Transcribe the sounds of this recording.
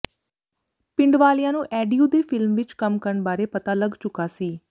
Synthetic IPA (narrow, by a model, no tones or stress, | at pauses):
pɪɳɖʋaːlɪjãːnũːʔɛːɖijuːd̪eːpʰɪlmʋɪt͡ʃkəmkəɾəɳbaːɾeːpət̪aːləɡt͡ʃʊkːaːsiː